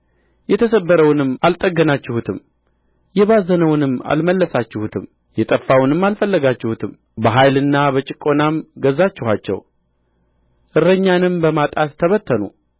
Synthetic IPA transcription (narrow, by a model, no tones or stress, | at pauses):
jɛt̪ʰəsəbːəɾəwnɨmːalt̪ʼəɡːənat͡ʃːɪhut̪ʰɨm | jɛβazənəwnɨmːa̰lməlːəsat͡ʃːɪhut̪ʰɨm | jɛt̪ʼəfːawnɨmːalfəlːəɡat͡ʃːɪhut̪ʰɨm | bəɦajlɨnːabət͡ʃʼɪkʼo̞namɡəzːat͡ʃːɪhʷat͡ʃːɛ̰w | ʔɨɾːəɲːanɨmbəmat̪ʼat̪ʰːəβət̪ʰːənṵ